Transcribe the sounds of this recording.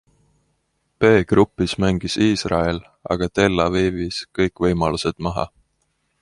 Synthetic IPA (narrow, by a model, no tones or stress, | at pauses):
pe̞ːɡ̥rupːˑismæŋɡ̥isiːsrɑ̰el | ɑ̰ɡ̥ɑt̪e̞lːɑviviskɤjkːˑvɤjmɑluse̞d̪̥mɑɦɑ̰